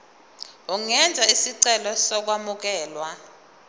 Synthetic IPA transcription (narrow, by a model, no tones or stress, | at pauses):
uŋɛnd͡zʱaisiǀɛlɔsɔk̬wamuk̬ɛːlwa